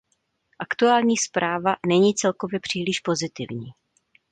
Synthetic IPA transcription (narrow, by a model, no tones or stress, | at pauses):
ʔakt̪uaːlɲiːspɾʔaːvanɛɲiːt͡sɛlko̞vjɛpr̝̥iːlɪʃpo̞zɪt̪ɪ̰vɲiː